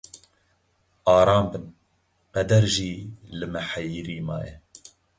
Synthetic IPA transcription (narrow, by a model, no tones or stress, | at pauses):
ɑːɾɑːmbɨn | qɛd̪ɛɾʒiːlɨmɛħajiɾiːmɑ̰ːjɛ